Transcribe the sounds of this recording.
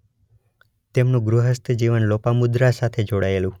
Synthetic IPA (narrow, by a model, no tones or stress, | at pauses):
t̪emnũɡɾuɦəst̪ʰd͡ʒiʋənlopamud̪ɾasat̪ʰed͡ʒoɽaelũ